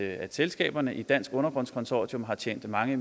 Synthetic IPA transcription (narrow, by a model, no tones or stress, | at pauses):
əæ̥selsɡ̥ɛ̰ːb̥ɐnəʔid̥æn̰sɡ̥ɔ̽nɐb̥ʁɔ̽n̰skʰɒ̽nsɒ̰ːd̥jɔ̽mɦɑ̈t͡ɕʰḛːnd̥mɑ̈ŋə